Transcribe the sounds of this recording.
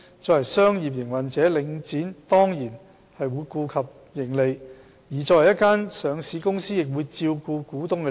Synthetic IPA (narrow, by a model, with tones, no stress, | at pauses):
t͡sɔː˨˧hɐ˨˩jsœː˥ŋjiː˨˩p̚jɪ˨˩ŋwɐ˨˩nt͡sɛː˨˥lɪ˨˧ŋt͡siː˨˥nt̪ɔː˥ŋjiː˨˩n | hɐ˨jwuː˨˧˥jkuː˧kʰɐ˨p̚ | jɪ˨˩ŋle˨j | jiː˨˩t͡sɔː˧hɐ˨˩jɐ˥tkaː˥nsœː˨˧ŋsiː˨˧kʊ˥ŋsiː˥jɪ˨k̚wuː˨˧jt͡siː˧wkuː˧kuː˨˥t̪ʊ˧ŋkɛ˧